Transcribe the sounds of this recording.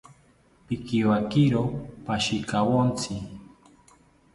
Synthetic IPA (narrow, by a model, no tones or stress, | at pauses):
pɪkiwakiɾopaʃɪkawont͡sʰɪ